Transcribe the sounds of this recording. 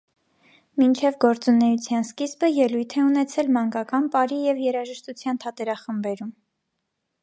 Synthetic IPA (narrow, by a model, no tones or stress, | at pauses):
mint͡ʃʰɛvɡɔɾt͡sunɛjut͡sʰjɑnskizbəjɛlujt̪ʰɛunɛt͡sʰɛlmɑŋɡɑkɑnpɑɾijɛvjɛɾɑʒəʃt̪ut͡sʰjɑnt̪ʰɑt̪ɛɾɑχəmbɛɾum